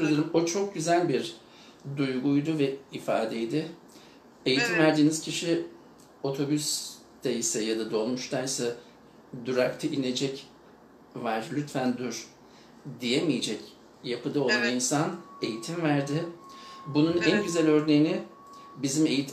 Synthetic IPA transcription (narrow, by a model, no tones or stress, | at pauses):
ud̪ɯɾumot͡ʃʰo̞k̚ɟyzælʲbiɾ | d̪ujɡujd̪uvɛifa̰ːd̪ejd̪ɪ | e̞jit̪ʰimvæɾd̪iːniz̥cʰiʃi | o̞t̪ʰo̞bys | d̪̥aisɛjad̪ad̪o̞lˠmuʃt̪ʰajsɛ | d̪uɾakt̪ʰɯʔine̞d͡ʒɛc | vaɾlʲyt̪fænd̪yɾ̥ | d̪ijemijed͡ʒɛc | japʰɯd̪ao̞lˠaninsane̞jit̪ʰimvæɾd̪ɪ | bununænɟyzælʲø̞ɾne̞jinɪ | bizime̞jit̪